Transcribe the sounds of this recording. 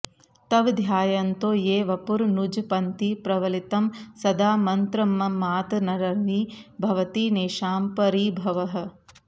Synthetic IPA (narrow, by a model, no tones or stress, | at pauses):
t̪ɐʋd̪ʱjaːjɐnt̪oːjeːʋɐpuɾnud͡ʒpɐnt̪ipɾɐʋɐlit̪ɐmsɐd̪aːmɐnt̪ɾɐmːɐmːaːt̪nɐɾɐɾʋibʱɐʋɐt̪iːneːʃaːmpɐɾiːbʱɐʋɐɦɐ̆